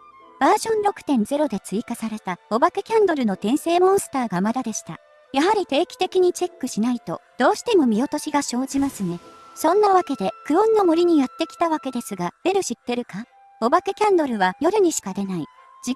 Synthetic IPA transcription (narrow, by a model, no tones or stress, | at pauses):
b̥aːʑõ̞nɾo̞kɯ̟̥t̪ẽ̞nd͡ze̞ɾo̞d̪e̞t͡sɨikasaɾe̞t̪ao̞bakekʲãnd̪o̞ɾɯ̟no̞t̪ẽ̞ɰ̃se̞ːmõ̞ɰ̃sɨ̥t̪aːɡamad̪ad̪e̞ɕi̥t̪a̰ | jaɦaɾʲit̪e̞ːkʲi̥t̪e̞kʲiɲ̟it͡ɕe̞kːɯ̟ɕinait̪o̞̰d̪̥o̞ːɕi̥t̪e̞mo̞mʲio̞t̪o̞ɕiɡaɕo̞ːd͡ʑimasɨne̞sõ̞nːaβake̞d̪e̞kɯ̟õ̞nːomoɾʲiɲ̟ijat̪ːe̞kʲi̥t̪aβake̞d̪e̞sɨɡab̥e̞ɾɯ̟ɕit̪ːe̞ɾɯ̟ka | o̞bakekʲãnd̪o̞ɾɯ̟βajo̞ɾɯ̟ɲ̟iɕi̥kad̪e̞nai | d͡ʑi